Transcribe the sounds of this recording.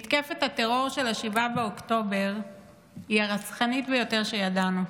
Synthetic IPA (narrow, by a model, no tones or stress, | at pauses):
it̪kefetateʁo̞ʁʃe̞laʃivabeokto̞be̞ʁ | iaʁasχanitbejo̞teʁʃe̞jadanu